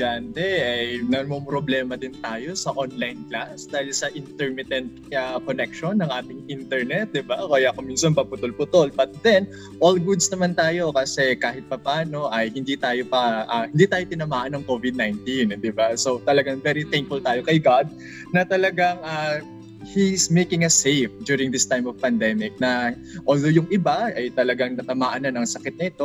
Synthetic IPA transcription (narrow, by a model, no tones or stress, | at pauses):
d͡ʒant̪ɛʔɐjnɐmompɾoblɛːmɐd̪ɪnt̪aːjo̞sɐʔonlajnklasd̪aːhɪlsɐʔɪnt̪ɛɹmɪt̪ɛnt̪̚ɐkonɛkʃonːɐŋʔaːt̪ɪŋʔint̪ɛɹnɛt̪̚d̪ɪbakɐjakominsɐnpɐpʊt̪olpʊt̪olbɐt̪̚d̪ɛn | ʔolɡud̪snɐmant̪aːjo̞kɐsɛkaːɦɪt̪̚pɐpaːno̞ʔɐjhɪnd̪it̪aːjo̞pɐʔɐhɪnd̪iːt̪aːjot̪ɪnɐmaːʔɐnɐŋkovɪd̪̚najnt̪ind̪ɪbaso̞t̪ɐlɐɡaŋvɛɾiθɛŋk̚fʊlt̪aːjo̞kɐjɡad̪̚ | nɐt̪ɐlɐɡaŋɐ | hismejkɪŋɐsejfd̪juːɾɪŋd̪ɪst̪ajmovpɐnd̪ɛmɪk̚nɐ | ʔoːld̪ojʊŋʔɪbaɐjt̪ɐlɐɡaŋnɐt̪ɐmaːʔɐnɐnɐŋsɐkɪt̪̚nɐɪt̪o̞